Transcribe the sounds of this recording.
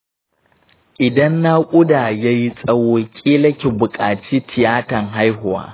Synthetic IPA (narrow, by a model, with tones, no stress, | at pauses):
ʔɪ˨dɐ˦nːa˦kʷʼʊ˦daː˨ja˦ji˦sʼɐ˦woː˦kʲʼiː˦lɐ˦kʲi˨bʊ˨kʼaː˨t͡ʃiː˦tʰɪ˨jaː˦tɐ˨ŋɦa˦jɦʊ˨wa̰ː˦